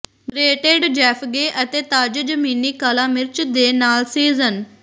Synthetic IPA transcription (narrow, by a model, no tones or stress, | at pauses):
ɾeːʈeɖd͡ʒɛːpʰɡeːʔət̪eːt̪aːd͡ʒd͡ʒəmiːniːkaːlaːmɪɾt͡ʃd̪eːnaːlsiːzən